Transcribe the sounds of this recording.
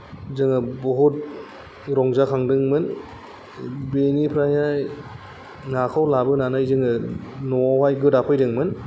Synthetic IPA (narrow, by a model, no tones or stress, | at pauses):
zɯŋɯbɔɦut̚ | ɾɔŋzakʰaŋdɯŋmɯn | benipʰɾajaj | ŋakʰawlabɯnanajzɯŋɯnɔwajɡɯdapʰɯjdɯŋmɯn